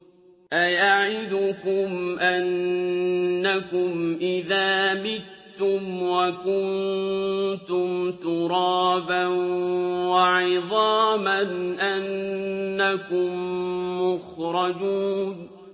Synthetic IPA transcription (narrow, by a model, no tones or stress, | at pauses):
ʔajaʕɪd̪ʊkʊmʔanː | akʊmʔɪðaːmɪt̪ː | ʊmwakʊnn | t̪ʊmt̪ʊɾˤɑːbanwaʕɪðˤɑːmanʔanː | akʊmːʊxɾˤɑd͡ʒuːn